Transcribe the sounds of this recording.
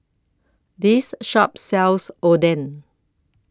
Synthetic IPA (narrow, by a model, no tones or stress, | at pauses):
disʃɔp̚sɛlsodɛ̃n